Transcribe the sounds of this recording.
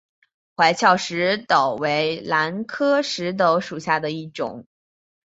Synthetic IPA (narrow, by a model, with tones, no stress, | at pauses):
xwa˧˥ɪt͡ɕʰjɑ˥˩ʊʂɻ̩˧˥t̪ɑ˨˩ʊwe˧˥ɪla˧˥nkʰɤ˥ʂɻ̩˧˥t̪̬o˧˥ʊʂu˨˩ɕja˥˩d̪ə˩i˥˩ʈ͡ʂʊ̰˨˩˦ŋ